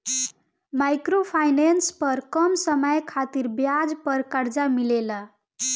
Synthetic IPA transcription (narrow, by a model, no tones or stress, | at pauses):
majkɾopʰajnenspəɾkʌmsəməjkʰat̪iɾbjad͡ʒpəɾkəɾd͡ʒamilelə